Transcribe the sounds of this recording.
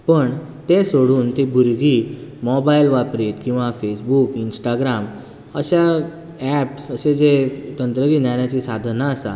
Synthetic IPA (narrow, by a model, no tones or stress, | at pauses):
pəɳ | t̪esoɽuːnt̪ibʱuɾɡiːmɔbailʋapɾit̪kĩw̃ʋafesbukinsʈaɡɾam | əɕa | ɛpsəsed͡zet̪ənt̪ɾəɡiːnjanjat͡ɕiːsad̪ʱnaːsa̰